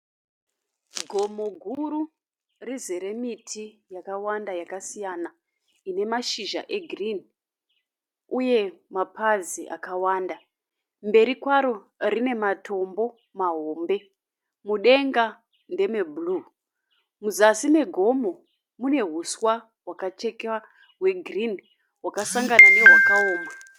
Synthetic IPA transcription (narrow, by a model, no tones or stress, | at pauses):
ɡʱo̞moɡʱuɾu | rizeɾe̞mitʰijakawandajakasijana | ine̞maʃiʒa̰ʔe̞ɡʱrin | uje̞mapaziʔa̰kawaːnda | mbe̞ɾikwaɾo̞ | rine̞matʰo̞mbo̞ | maɦoːmbe̞ | muɗe̞ŋɡa | nde̞mebʱulu | muzasime̞ɡʱo̞mo̞ | mune̞ɦuswa | wakat͡ʃe̞ka | ɦwe̞ɡʱrin | wakasaŋɡananewowakaoːma